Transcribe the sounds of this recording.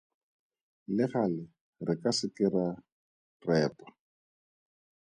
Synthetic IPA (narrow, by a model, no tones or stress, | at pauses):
lɪχalɪ | rɪkasɪkɪra | rɛːpḁ